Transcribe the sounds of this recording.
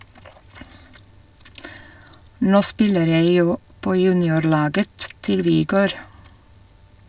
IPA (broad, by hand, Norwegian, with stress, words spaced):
ˈnoː ˈspɪləɾ ˈjeɪ ˈjuː ˈpoː ˈjʉːnɪʊɾˌlɑːɡə ˈtɪl ʋɪˈɡøːɾ